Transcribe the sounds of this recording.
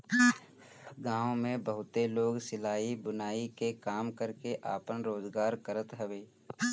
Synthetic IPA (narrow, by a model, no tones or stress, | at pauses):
ɡãːõmẽbəɦʊt̪eloːɡsɪlaːibʊnaːikekaːmkəɾkeʔa̰ːpənɾoːzɡaːɾkəɾət̪ɦəʋeː